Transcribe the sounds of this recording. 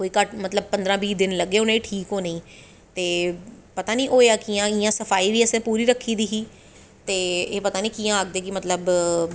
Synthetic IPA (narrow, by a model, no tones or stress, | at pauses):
koːiːkəʈmət̪ləb̚pə̃nd̪ɾãːbiːd̪ɪnləɡeːʊnẽːiʈʰiːkɦoːneĩː | t̪eː | pət̪aːniːʔoːeaːkijãːɪjãːsəfʰaːiːʋiːəseːpuːɾiːɾəkʰːiːd̪iːɦiː | t̪eːeːpət̪aːnĩːkiːãːak̚d̪eːkɪmət̪ləb